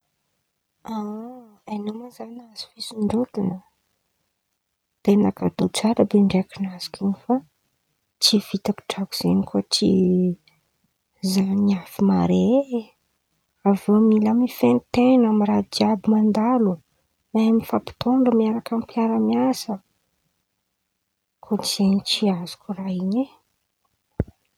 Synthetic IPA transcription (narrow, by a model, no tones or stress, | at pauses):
a | anomazanaz̥i̥fisiɳɖ͡ʐot̪inə | t̪enakad̪ot͡saɾəbeɳɖ͡ʐeakinazi̥kinifa | t͡siv̥it̪aku̥ʈ͡ʂaku̥z̥enikut͡sḭ | zaiafima̰ɾe | avomilamifent̪enamiɾad͡ʒiabumand̪alu | naamifapi̥t̪oɳɖ͡ʐəmiaɾakampiaɾəmiasə | kʰot͡ʃi̥z̥enit͡ʃiazu̥kʲuraiɲe